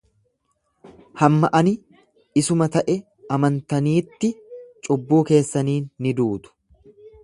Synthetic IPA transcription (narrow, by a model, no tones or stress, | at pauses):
hɐmːɐʔɐnɪ | ɪsʊmɐt̪ɐʔɛ | ɐmɐnt̪ɐniːt̪ːɪt͡ʃʼʊbːuːke̞ːsːɐniːnːɪd̪uːt̪ʊ̥